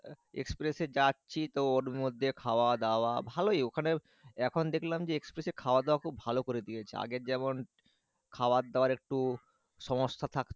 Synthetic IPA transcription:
ḛkspɾesed͡ʑatːɕʰit̪ooɾmod̪ʱːekʰaoad̪aoabʱalojokʰane | ɛkʰond̪ekʰlamd͡ʑeekspɾesekʰaoad̪aakʰubʱalokoɾed̪iet͡ɕʰea̰ɡeɾd͡ʑɛmon | kʰaoad̪eoaɾek̚ʈu | ʃɔmoʃt̪ʰat̪ʰak

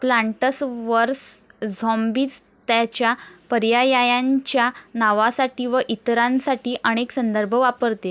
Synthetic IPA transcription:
plaɳʈəsʋəɾsd͡zʱɔmbiːt͡s | t̪jat͡ɕjapəɾjajajãɲt͡ɕjanaʋasaʈiːʋəʔit̪ɾãnsaʈiːʔəɽ̃eksənd̪əɾbʱəʋapəɾt̪e

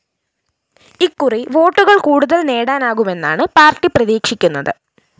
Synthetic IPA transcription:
ikːuriʋo̞ːʈːuɣɐɭkuːɽuðɐlne̞ːɽaːnaːɣume̞nːa̰ːɳɨpaːrʈːiprɐðiːkʂikʲːunːɐðɨ

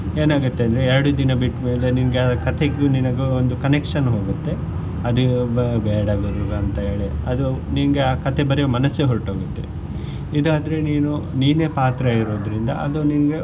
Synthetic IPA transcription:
e̞ːnaːɡut̪ːeɐnd̪ɾeːɛɾɐɽud̪inɐbiʈme̞ːle̞ninɐɡekɐt̪ʰeɡuninɐɡuond̪ukɐnekʂɐnɦoːɡut̪ːe̞ | ɐd̪ubɛːɽɐɡod̪uːɡɐɐnt̪ɐɦeːɭeɐd̪uninɐɡe̞aːkɐt̪ʰe̞bɐɾɛjomɐnɐsːeɦoɾʈoːɡut̪ːe̞̰ | id̪uaːd̪ɐɾe̞niːnuniːne̞paːt̪ɾɐiɾoːd̪ɐɾind̪ɐ̰ʔɐ̰luninɐɡe̞

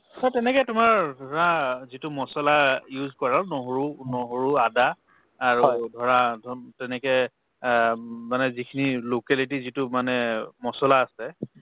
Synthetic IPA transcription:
ɔtɛnɛkɛtʊmaɹdʱɔɹazitumɔsɔlajuzkɔɹanoɦoɹunɔɦoɹuadaː | ɹudʱɔɹadʱtɛnɛkɛ | manɛzikʰinilokɛlitizitʊmanɛmɔsɔlaːsɛ

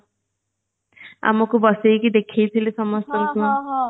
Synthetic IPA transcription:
a̰mɔkubɔsejkid̪ekʰejt̪ʰilesɔmɔst̪ɔɾuku

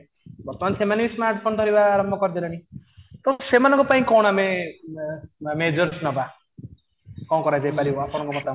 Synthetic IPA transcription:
bʱʌɾt̪mant̪ʰemanismaɾʈ̚pʰont̪ʌɾibaːɾʌmbʱʌkʌrd̪enʌnit̪ʌsemanʌkopaĩkɔwɽ̃ame | med͡zʌɾsnʌba | kɔ̃kɔɾad͡zepalioapʰoñɔŋkomʌt̪a

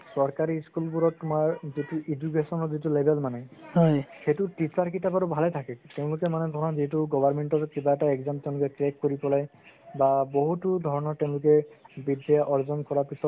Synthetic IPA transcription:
sɔɹkaɹiskulbuɾɔtːʊmaɹzituʔid͡ʒuɡesɔnɔɹzitulebʱɛlmanɛhɔjxetʊtisaɹkitabaɹubʱalɛtʰakɛteʊ̃lʊkɛmanɛdʱɔɹɔnɔziɦɛtuɡɔbʱaɹmeɳtɔɹkibaɛtaɛɡzamteʊ̃lʊkɛklekːoɹipɔlajbaboɦutudʱɔɹɔnɔɹteʊ̃lʊkɛbidɛjaʔɔɹzɔnkɔɹapisɔt

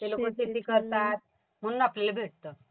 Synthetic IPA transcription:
t̪elokət̪it̪iːkəɾt̪at̪̚ | m̤əɽ̃unapleləbʱeʈ̚t̪əː

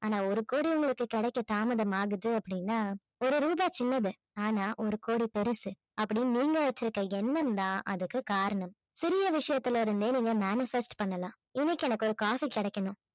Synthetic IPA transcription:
aːnaːɔɾɯkoːɽiʊŋɡɐɭɯkːɯkɪɽɛkːɐt̪aːmɐðɐmaːɣɯðɯɐpːɐɽɪnːaː | ɔɾɯɾuːðaːt͡ʃɪnːɐðɯ | aːnaːʔɔɾɯkoːɽipɛɾɯsɯ | ʔɐpːɐɽiniːŋɡɐʋɐt͡ʃːɪɾɯkːɐɛnːɐmd̪ãːʔɐðɯkːɯkaːɾɐɳɐm | sɪɾɪjɐʋɪʂɐjɐt̪ːɪlɐɪɾɯnd̪eːniːŋɡɐmaːnɪfɛsʈpɐɳːɐlãː | ɪnːɪkːɛnɐkːɔɾɯkaːfikɪɽɛkːɐnʊ̃

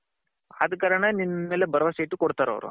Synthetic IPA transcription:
ɐ̰d̪ɐkaːɾɐɳɐninːɐmeːlebɐɾɐʋɐseʈukoɽt̪aːɾo̰ʋɾṵ

